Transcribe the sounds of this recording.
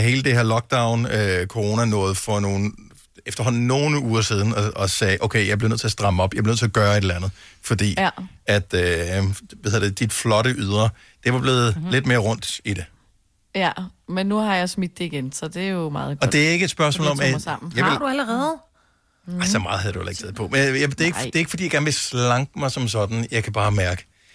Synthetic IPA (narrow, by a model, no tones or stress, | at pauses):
ɦe̝ːləd̥e̝he̝ɐlɒ̽ɡ̥̚d̥äʊnøkʰo̝ʁo̝ːnænɔ̽ːð̞̩ˠfɒ̽no̝ːn̩ | efd̥ɐɦɒ̽n̰n̩ːo̝ːnəuːɐsið̞ˠn̩ɒɒsɛːʔoʊkʰeɪjɑ̈ɪb̥le̝nøð̰ˠt͡s̝ʰæɐsd̥ʁɑ̈məɒ̽b̥jɑaɪb̥len̰ˠt͡sʰe̝ɒɐɡ̥ɶːɐe̝ɾlænð̞̩ˠfɒd̥ḭːæd̥ø | ʋæhðˠɐd̥ed̥id̥flɒ̽ɾəʔyð̞ˠʁɐ | d̥e̝ʋɑ̈b̥le̝ːð̩ˠle̝d̥̚me̝ːɐʁɔ̽n̰d̥id̥e̝ | æmenːuhɑ̈jɑ̈ɪsmid̥̚d̥eiɡ̥ensɒd̥e̝æjomɑ̈ːð̩ˠɒ̽d̥e̝æɐe̝ɡ̥əed̥sb̥ɶɐs̬mɔ̰ːlɒ̽mæmn̩jɑ̈d̥uæləʁɛð̩ˠ | aɪsɒmɑ̈ːðˠhæðˠjduhḛlˠeɡ̥t͡sʰeð̩̰ˠpʰɒ̽menjad̥e̝e̝ɡ̥e̝ɐeɡ̥əfɒd̥ḭjaɡ̥æɐnʋe̝slɑ̈ŋɡ̥mɑ̈ɪsɒ̽ms̬ɒ̽d̥n̩jɑ̈ɪkʰæb̥ɑ̈ːmæɐɡ̥ə̥